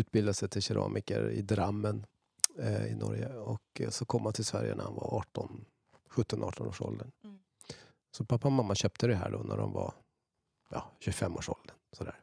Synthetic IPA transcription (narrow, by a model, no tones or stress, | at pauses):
ʉ̟ːt̪̚bɪld̪asɛjt̪ʰɪlɕɛɾʔɑ̰ːmʔɪkəɾɪd̪ɾamːən | ɪnɔɾjəɔksɔkʰɔmːhant̪ʰɪlsvæɾjənæhanvaʔɑːʈɔn | ɧɵt̪ːɔnʔɑːʈɔnoːʂɔld̪əɳ | sɔpʰapːamamːaɕœːp̚t̪ʰəd̪ɛɦæːɖoːnæɖɔmva | jɑɕɵfɛmːoːʂɔld̪ənsɔd̪æːɾ